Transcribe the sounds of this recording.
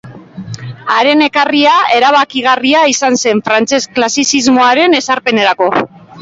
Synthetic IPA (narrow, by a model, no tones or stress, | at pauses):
aɾe̞ne̞kariae̞ɾaβ̞akiɣ̞ariaisanse̞ɱfɾant͡se̞sklasisizmo̞aɾe̞ne̞saɾpe̞ne̞ɾako̞